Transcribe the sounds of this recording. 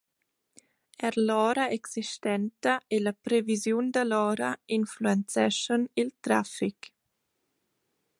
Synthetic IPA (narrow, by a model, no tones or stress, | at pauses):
ɛɾlɔːɾaeksiʃt̪ɛnt̪aʔelapɾevizjund̪alɔːɾainfluɛnt͡sɛʃənilt̪ɾafik